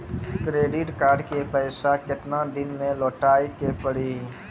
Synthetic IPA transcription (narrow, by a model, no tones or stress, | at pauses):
kɾeːɖɪʈkaːɾɖkepəɪsakɪt̪nad̪ɪnmẽlɔːʈaːikepəɽi